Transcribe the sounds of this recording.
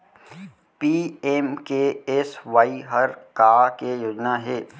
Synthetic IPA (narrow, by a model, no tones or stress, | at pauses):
piːeːmkeesʋaːiɦəɾkaːkejoːd͡ʒnaɦɛː